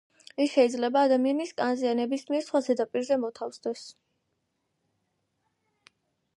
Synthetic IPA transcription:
isʃɛid̪zlɛbaːd̪amianiskʼanzianɛbismiɛɾsχwazɛd̪apʼiɾzɛmɔt̪ʰafsd̪ɛs

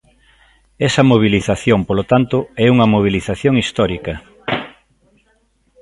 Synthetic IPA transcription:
ɛsɐmoβ̞iliθaθjompolot̪ant̪ʊɛuŋɐmoβ̞iliθaθjoŋist̪ɔɾikɐ

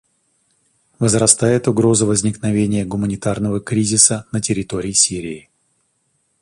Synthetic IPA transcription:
vəzrɐst̪ajɪt̪ʊɡɾo̞zəvəzʲnʲɪknɐvʲenʲɪjəɡʊmənʲɪt̪arnəvəkɾʲizʲɪsənətʲɪɾʲɪt̪o̞ɾʲɪːsʲiɾʲɪː

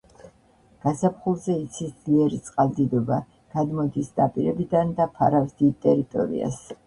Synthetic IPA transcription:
ɡ̥asapʰχulˠzɛit̪sʰisd̪liɛɾit̪sʼqʼalˠd̪id̪ɔba | ɡ̥ad̪mɔd̪isd̪apʼiɾɛbid̪and̪apʰa̰ɾavzd̪it̪ʼɛɾit̪ʼɔ̰ɾḭa̰s

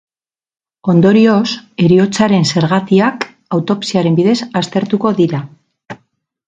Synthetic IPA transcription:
o̞nd̪o̞ɾio̞se̞ɾiot͡saɾe̞nse̞ɾɣat̪iak | awt̪o̞psiaɾe̞mbiðe̞sast̪e̞ɾt̪uko̞ðiɾa

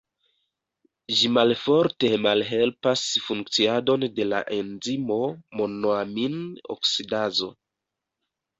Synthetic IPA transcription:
ʒimalfo̞ɾte̞malɦe̞lpasfuŋk̚t͡siado̞nde̞la̰ʔe̞nzimo̞mo̞noamino̰ksidazo̞̰

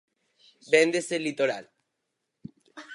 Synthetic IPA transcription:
bend̪eselit̪oɾal

